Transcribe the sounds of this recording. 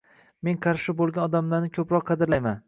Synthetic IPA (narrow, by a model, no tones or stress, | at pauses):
me̞nqʰɑɾʃɪbolˠɡʲanɒd̪amlaɾnɪkʰɵpɾɒqʰːɑd̪ɪɾlajman